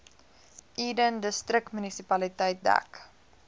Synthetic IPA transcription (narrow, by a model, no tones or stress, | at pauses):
ʔiːdəndəstrək̚tmynisipɐlitəjt̚dæ̰k